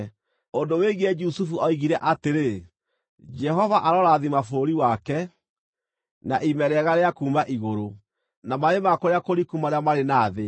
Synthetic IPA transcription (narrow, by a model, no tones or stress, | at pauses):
ondoweɣɛd͡ʒusufuɔiɣiɾɛʔateɾe | d͡ʒɛɦɔvaʔaɾɔɾaðimafoɾiwakɛ | naʔimɛɾɛɣaɾeakuːmaʔiɣoɾo | namaɾemakoɾeakoɾikumaɾeamaɾenaːðe